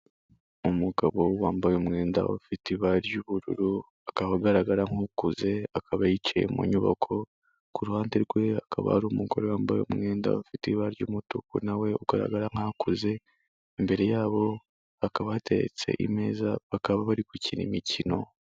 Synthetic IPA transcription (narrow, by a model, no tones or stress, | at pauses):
umuɡaβo̞waːmbajomŋe̞ːnda̰afitiβaɾɟuβuɾṵɾu | akaβaɡaɾaɡaɾaŋ̥ukuze̞akʰaβajit͡ʃḛjḛmṵɲuβa̰kʰo̞ | kuɾuhaːndeɾɡwe̞akʰaβa̰haɾumuɡo̞̰ɾewaːmbajo̰mŋe̞ːnda̰afitiβaɾɟumutukunawe̞uɡaɾa̰ɡaɾaŋ̥akuze̞ː | mbe̞ɾe̞jaːβo̞ | akaβaateɾḛt͡se̞̰ʔime̞ːzaβakaβaβaɾikucinimicino̞